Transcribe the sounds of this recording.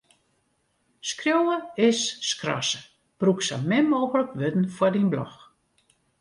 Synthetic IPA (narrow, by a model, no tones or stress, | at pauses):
skrjowəɪsːkrɔ̰sə̥ | b̥ruksa̰mɪmoːɣələkʋøtn̩fwadinblɔ̰x